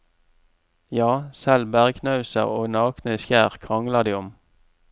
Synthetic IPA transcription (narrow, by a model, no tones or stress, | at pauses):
jɑːsɛlbæʁkʰnɑʉsə̰ʁo̰ːnɑːknəsjæːʁkʰʁɑŋləʁd̪iːʊm